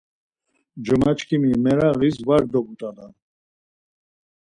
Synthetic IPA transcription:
d͡ʒəmat͡ʃkʰimimɛɾaɣisvaɾd̪ɔbut̪ʼad̪an

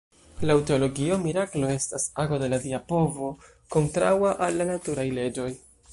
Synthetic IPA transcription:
lawteolo̞ɡio̞miɾaklo̞e̞stasaɡo̞de̞ladiapo̞vo̞ | ko̞ntɾa̰waʔalːanatuɾajle̞d͡ʒo̞j

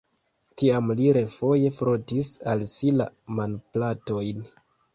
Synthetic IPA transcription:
tiamliɾe̞fo̞je̞fɾotisalsila̰manplato̞jn

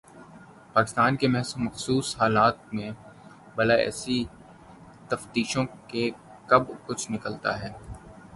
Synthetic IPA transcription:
paːkɪ̥st̪aːnkemɛɦsumɐxsuːshaːlaːt̪̚mẽ | bɐlaɛ̰ːsi | t̪ɐft̪iːʃõke | kɐbkʊt͡ʃʰnɪkəlt̪a̰ɦɛː

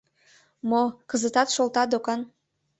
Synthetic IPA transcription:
mokəzət̪ɑt̪ʃolˠt̪ɑd̪okɑn

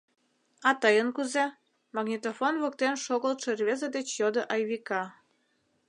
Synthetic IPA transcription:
ɑt̪ɤjənkuze | mɑɡnʲit̪ofonβok̚t̪enʃoɣəlt̪ʃerβezəd̪et͡ɕjod̪ə̆ʔɑjβikɑ

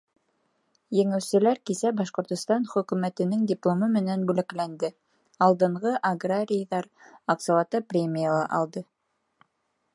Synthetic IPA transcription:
jɘ̆ŋɘ̆wsɘ̆læɾkisæbɑʃqŏɾt̪ŏst̪ɑnχɵ̆kʉ̆mæt̪ɘ̆nɘŋdʲɪplˠomɤmɘ̆nænbʉlæklænd̪ɘ | ɑlˠd̪ɤ̆ɴʁɤʔɐɡraɾʲɪjðɑɾɑqsolwˠɑt̪ɤprʲemʲijalˠɑʔɑ̰lˠd̪ɤ

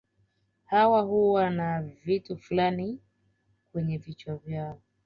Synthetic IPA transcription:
hawahuwanavituflani | kwɛɲɛvit͡ʃwɔvjaɔ

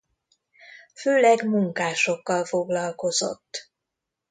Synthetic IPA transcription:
føːlɛɡmuŋkaːʃo̞kːɒlfo̞ɡlɒlko̞zo̰t̪ː

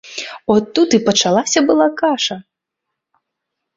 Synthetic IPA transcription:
ɔt̪ːut̪ɨpɐt͡ʂalˠasʲɐbɨlˠakaʂɐ

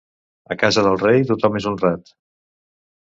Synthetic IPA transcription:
əkazəðəlˠrejt̪ut̪ɔmezunrat̪

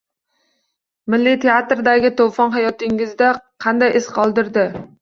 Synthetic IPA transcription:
mɪlːit̪ʰeat̪ɾd̪æɡʲɪt̪ʰowfɒnɦɑjɒt̪ɪŋɪzd̪aqʰɑnd̪ɑjʔɪsqʰɒlˠd̪ɪɾd̪ɪ

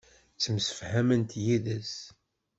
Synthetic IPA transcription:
t͡sːəmsə̥fhæmənt̪jiðəs

